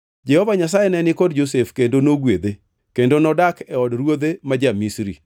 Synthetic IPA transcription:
d͡ʒɛhɔvaɲas̬ajɛnɛnɪkɔdd͡ʒos̬efkendonoɡwed̪e | kendonɔdakɛɔdɾwod̪emad͡ʒamisɾḭ

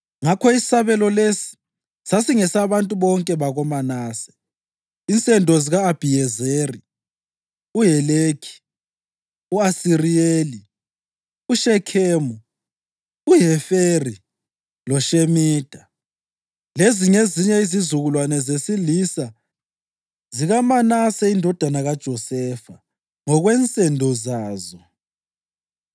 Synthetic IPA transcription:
ŋakʰɔisi̥saβɛlɔlesi̥ | sasiŋɛsaβantʼuβɔŋkʼɛβaɣɔmanaːsɛ̥ | int͡sʼɛndʱɔziɣaːb̥ʱijɛzeri | ujɛleːkʰi̥ | uasirieli | uʃɛkʰeːmu | uɦɛferi | lɔʃemiːd̥ʱa | leziŋeziɲɛizizuɣulwanɛzesilisa | ziɣamanasɛindʱɔd̥ʱanaɣad̥ʒ̥ʱɔsɛfa | ŋɔɣwɛnt͡sʼɛndʱɔzaːzɔ

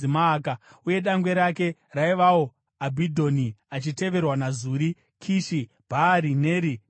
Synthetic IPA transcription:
imaːkauje̞ɗaŋɡwe̞ɾake̞raiʋao | abʱidʱoniat͡ʃite̞ʋe̞rwanazuːɾi | kʰiʃi | b̥ʱaːɾineːɾi

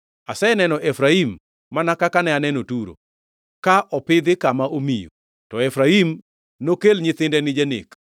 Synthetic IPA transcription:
asɛnɛnɔʔɛfɾaimː | anakakanɛanɛnotuɾo̰ | kaʔɔpɪd̪ɪkamaʔomijo̰ | tɔɛfɾaim | nokelɲɪt̪ɪndɛnɪd͡ʒɛnɪ̰k

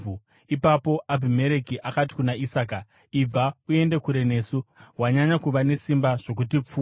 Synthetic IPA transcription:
u | ipapo̞abʱime̞ɾe̞kiʔakat̬i̥kunaisaːka | ib͡vaue̞nde̞kuɾe̞ne̞ːsuɦwaɲaɲakuʋane̞simbaʐ̥o̞k̬ut̬ip͡fu

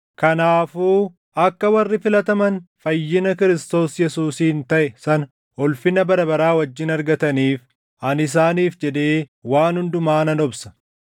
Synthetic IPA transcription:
kɐnaːfuː | ʔɐkːɐwɐrːɪfɪlɐt̪ɐmɐnfɐjːɪnɐkɪɾɪst̪o̞ːsjɛsuːsiːnt̪ɐʔɛsɐnɐ | ɔlfɪnɐbɐɾɐbɐɾaːwɐd͡ʒːɪnɐɾɡɐt̪ɐniːf | ɐnɪs̬aːniːfd͡ʒɛd̪eːwaːnhʊnd̪ʊmaːnɐnɔbsɐ̥

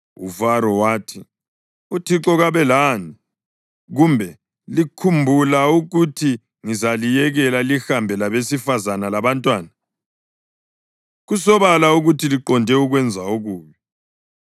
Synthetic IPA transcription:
ṵvaɾɔwaːtʰi | utʰiǁɔɣaβɛlaːni | ɣumbʱɛ | likʰumbʱulauɣutʰi | ŋizalijɛɣɛlalixambʱɛlaβesifazanalaβantʼwaːna | ɣusɔβalauɣutʰiliǃɔndʱɛuɣwɛnd͡zʱauɣuːβɔ

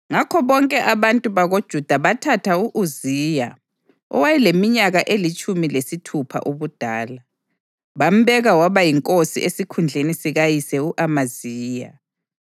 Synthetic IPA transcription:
ŋakʰɔβɔŋkʼɛʔaβantʼuβaɣod̥ʒ̥ʱud̥ʱaβatʰatʰauʔuziːja | ɔ̰wajɛlemiɲaɣaʔelit͡ʃʼumilesitʰupʰa̰ʔuβud̥ʱaːla | βam̩βɛɣawaβajiŋkʼosiʔesikʰund͡ɮʱenisiɣajisɛuʔamaziːja̰

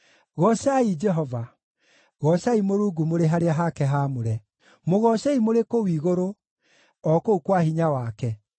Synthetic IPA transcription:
ɣɔsaid͡ʒɛɦɔva | ɣɔsaimoɾuːɡumoɾeɦaɾeaɦakɛɦamoɾɛ | moɣɔsɛimoɾekowiːɣoɾo | ɔkoukwahiɲawakɛ

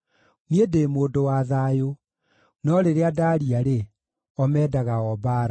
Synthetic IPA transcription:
niedeːmoːdowaðaːjo | nɔɾeɾeadaːɾiaɾe | ɔmɛːdaɣaɔbaːɾa

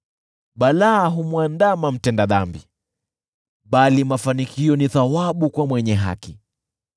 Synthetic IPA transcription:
ɓalaːɦumwandamam̩tɛndaðambi | ɓalimafanikiɔniθawaɓukwamwɛɲɛɦa̰ki

